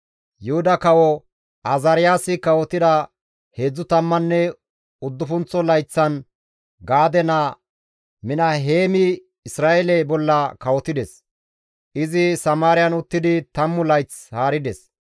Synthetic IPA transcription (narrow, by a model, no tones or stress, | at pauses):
jʊhʊd̪ɐkɐwɔ | ʔɐzɐɾɪjaːsɪkɐwɔt̪ːɪd̪ɐ | he̞ːd͡zːʊt̪ɐmːɐnːɛ | ʊd̪ːʊfʊnt͡sːɔlɐjt͡sːɐn | ɡaːd̪ɛnɐ | mɪnɐɦeːmɪ | ɪsɾaːʔɛlɛbɔlːɐkɐwɔt̪ɪd̪ɛs | ʔɪzɪsɐmaːɾɪjɐnʊt̪ːɪd̪ɪt̪ɐmːʊlɐjt͡s | haːɾɪd̪ɛs